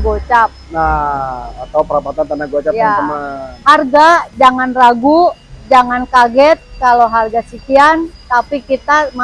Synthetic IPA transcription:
ɡot͡ʃap̚na | at̪awpəɾapat̪ant̪anaɡot͡ʃapjaamaharɡad͡ʒaŋanraɡud͡ʒaŋankaɡɛt̪̚kaloɦarɡasikiant̪apikit̪ama

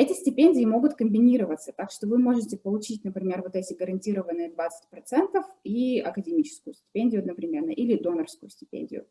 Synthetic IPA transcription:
ɛtʲɪsʲtʲɪpʲenʲdʲɪːɪmo̞ɡʊt̪kəmbʲɪnʲiɾəvət̪sət̪akʂt̪o̞vɨmo̞ʐɨtʲɪpəlˠʊt͡ɕitʲnəpɾʲɪmʲe̞rvo̞t̪ɛtʲɪɡəɾɐnʲtʲiɾəvənːɨjəd̪vat̪sə̥tʲpɾɐt̪sɛnt̪əfiɐkədʲɪmʲit͡ɕɪ̥skʊjʊsʲtʲɪ̥pʲenʲdʲɪjʊɐd̪nəpɾʲɪmʲe̞rnːəʔilʲɪd̪o̞nərfskʊjʊsʲtʲɪ̥pʲḛnʲdʲɪ̰jʊ̰

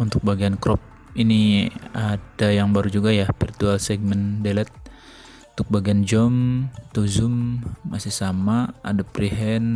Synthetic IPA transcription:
unt̪ʊk̚baɡiankɾɔp̚ | iniadajaŋbaɾud͡ʒuɡajahfirt̪ualsɛɡ̚mɛndelɛt̪̚ | unt̪ʊk̚baɡiand͡ʒɔmt̪uzʊmːasɪhsamaa̰dapɾiɦɛn

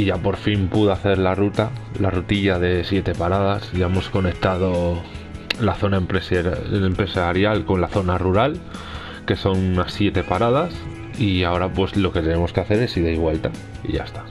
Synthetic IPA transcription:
iʝapo̞ɾfimpuðoaθe̞ɾlarut̪alarut̪iʎaðe̞sje̞t̪e̞paɾað̞asʝae̞mo̞sko̞nek̚t̪að̞o̞ | laθo̞naempɾesempɾe̞saɾjalko̞nlaθo̞naruɾal | ke̞so̞nunasːje̞t̪e̞paɾað̞as | iao̞ɾapwe̞slo̞ke̞t̪e̞ne̞mo̞skeaθe̞ɾe̞siðejβ̞we̞lt̪a | ḭʝa̰est̪ḁ

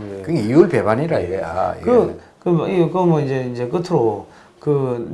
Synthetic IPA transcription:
kɯŋiuɭpebaniɾaiɾea̰kɯkɯikɯmwʌid͡ʑeind͡ʑek͈ɯtʰɯɾo | kɯ

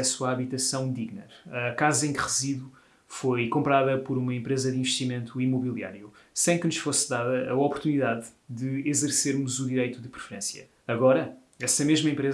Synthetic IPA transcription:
ɛsuaɐβit̪ɐsɐ̃w̃d̪iɣnɐɾɐkazẽkʁɨziðu | fojkõmpɾaðɐpɔɾumɐẽmpɾezɐðĩvɨʃt̪imẽnt̪ʰuimuβilˠia̰ɾjusɐ̃j̃kɨnuʃfosðaðɐɐɔpuɾt̪uniðað | dɨizɨɾseɾmuzuðiɾɐjt̪uðɨpɾɨfɨɾẽsjɐ̰ː | ɣɔɾɐ | ɛsɐmeʒmɐẽmpɾe

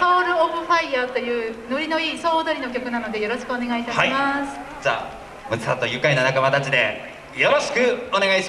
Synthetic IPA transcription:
hoːɾɯ̟oɸɯ̟ɸaiat̪o̞jɯ̟ːno̞ɾʲino̞iːso̞ːd̪oɾʲino̞k̬ʲo̞kɯ̟nano̞d̪e̞jo̞ɾo̞ɕi̥kɯone̞ɡait̪ahaimasɨ̥d͡ʑa̰ː | mɯ̟t͡sat̪ːojɯkːainanakamat̪at͡ɕid̪e̞ | jo̞ɾo̞ɕi̥kɯ̟one̞ɡaiɕi

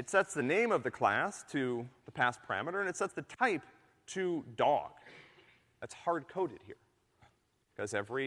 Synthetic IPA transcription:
ɨtsɛtsðɨnẽɪ̃mʌvðɨkʰl̥æ̰stʰɨðəpʰæspʰə̥˞æ̰mɨɾə˞ɨ̃nɨtsɛtsðɨtʰaɪp | tʰɨdɔ̰ɡ̥ | ɨtshɑɹd̚kʰoʊɾɨd̚hḭɹ | kʰʌzɛvɹi

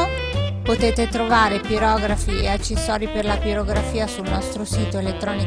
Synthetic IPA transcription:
pot̪eːt̪et̪ɾovaːɾepiɾɔːɡɾafiḛat͡ʃːesːɔːɾiperlapiɾoɡɾafiːasulnɔst̪ɾosiːt̪oelet̪ːɾɔːni

